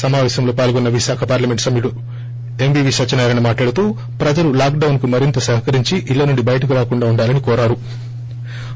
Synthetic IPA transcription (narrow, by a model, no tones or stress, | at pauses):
sɐmaːʋɛːɕɐmlo̞ːpaːlɡonːɐʋiʃaːkʰɐpaːɾlɐme̞ɳʈsɐmjiɽu | embiːʋiːsɐt͡ʃːɐnaːɾanɐmaːʈlaːɽut̪uː | pɾɐd͡ʒɐlulaːk̚ɖɐwnkumɐɾint̪ɐsɐɦɐkɐɾiɲt͡ʃiʔilːɐnuɳɖibɐjɐʈɐk̬uɾaːkuɳɖaːuɳɖaːlɐnikɔːɾaːɾu